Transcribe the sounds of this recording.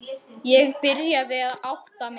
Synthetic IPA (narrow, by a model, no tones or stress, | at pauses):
jɛɣpɪɾjaðɪaðawht̪am